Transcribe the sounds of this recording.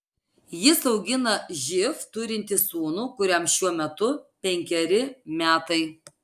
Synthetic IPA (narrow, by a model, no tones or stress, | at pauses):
jɪsɐʊɡʲɪnɐʒʲɪft̪ʊɾʲɪnʲt̪ʲɪsuːnuːkʊɾʲɛmʃʲuɔmʲɛt̪ʊpʲɛŋʲkʲɛɾʲɪmʲæːt̪ɐɪ